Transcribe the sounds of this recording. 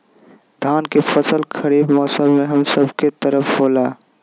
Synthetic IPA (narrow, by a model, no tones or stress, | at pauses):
d̪ʱaːnkefəsəlkʰəɾiːbmɔːsəbmẽɦɐmsəbket̪əɾəfɦoːlaː